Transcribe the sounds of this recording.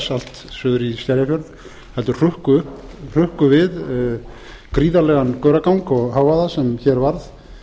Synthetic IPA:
sal̥t̪sʏːðʏɾist̪jaɾjafjœɾð | hɛlt̪ʏ̥r̥ʏhkʏʏhpr̥ʏhkʏvɪð | kɾiːðalɛɣankœɥɾakawŋkɔɣɦaːwvaðasɛmçɛɾvaɾð

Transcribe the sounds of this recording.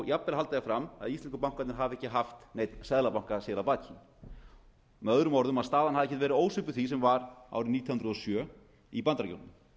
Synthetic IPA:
japːɛlalt̪ajɪfɾama̰ðist̪ɛnskʏpawŋ̥kat̪nɪɾɦaːvɪɛhcɪɦaft̪neːjt̪nsɛðlapawŋ̥kasɛːlapaːt̪cʰin | mɛœðɾʏmɔɾðʏmaðst̪aːðanhaðɛhcːɛ̥t̪vɛːɾɪoːwsʏpʏθisɛmvaɾa̰wɾɪniːt̪ʰjɔhʏnɾʏðɔsjœː | ipant̪ɾaɾco̰wnɪn

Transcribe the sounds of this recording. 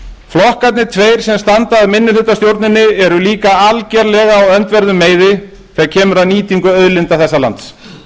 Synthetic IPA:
flɔhkat̪nɪt̪ʰveːjɾ̥sɛmst̪ant̪aːðmɪnːɪlʏt̪ːast̪jowɾt̪nɪnːɪɛɾʏliːkaalcɛɾlɛɣaːwœnt̪vɛɾðʏmːeːjðɪ | θɛcʰɛːmʏɾaðniːt̪iŋkʏœðlɪnt̪aθɛsːala̰nt̪s

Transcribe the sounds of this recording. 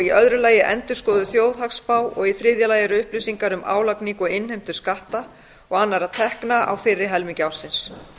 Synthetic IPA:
iʔœðɾʏlaːjɪʔɛnt̪ʏ̥skɔːðʏθjoːwðhakspaːwɔɣiθɾɪðjalaːjɛɾʏʏhplisiŋkaɾʏmʔa̰ːwlakniŋkɔɣɪnhejm̥t̪ʏ̥skaht̪a | ɔɣanːaɾaðt̪ʰɛhknaʔa̰wfɪrːɪɦɛlmiŋcawlsɪns

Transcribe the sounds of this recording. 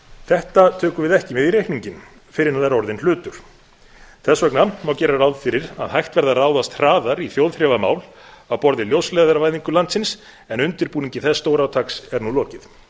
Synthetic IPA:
θɛht̪at̪ʰœːkʏvɪðɛhcɪvɪðirejhkniɲcɪn | fɪɾɪnaðaɾɔɾðɪnl̥ʏːt̪ʏɾ̥ | θɛsːvɛknamawcɛːɾarawðfɪɾɪɾa̰ðɦajht̪vɛɾðaraːwðast̪r̥aːðaɾiθjowðθɾɛvama̰ːwlawpɔɾðɪljowslɛːðaɾvajðiŋkʏlant̪sɪns | ɛnʏnt̪ɪɾpuːniɲcɪθɛsːt̪oːwɾawt̪ʰaksɛɾnulɔːcɪð

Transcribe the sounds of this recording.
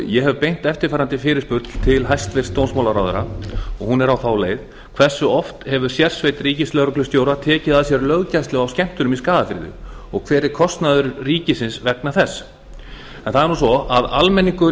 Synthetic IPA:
jɛɦɛvpejn̥t̪ɛft̪ɪɾfaːɾant̪ɪfɪːɾɪspʏɾt̪l̥t̪ʰɪlɦajst̪vɪr̥st̪ownsmawlaɾawðʏɾaɔɣhunɛɾawθawleːjð | kʰvɛr̥sːʏɔft̪hɛvʏɾ̥sjɛr̥svejt̪riːcɪslœɣɾʏklʏst̪joːwɾat̪ʰɛːcɪðaðsjɛɾlœɣcajst̪lɛɣawscɛm̥t̪ʏɾʏmiskaːðafɪɾðʏ̰ɔɣkʰvɛːɾɪɾ̥kʰɔst̪naðʏɾriːcɪsɪnsvɛknaθɛsː | ɛnθaðɛɾnusɔaðalmɛnːiŋkʏ

